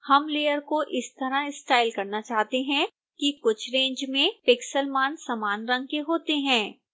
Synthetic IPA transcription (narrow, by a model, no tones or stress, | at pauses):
hɐmleːəɾkoʔɪst̪ɐɾãɪsʈaːɪlkɐɾnat͡ʃaːɦt̪eɦɛ̃ | kikʊt͡ʃʰɾẽːɲd͡ʒmẽpɪksəlmaːnsamaːnɾɐ̃ŋɡ̚keɦoːt̪eɦɛ̃ː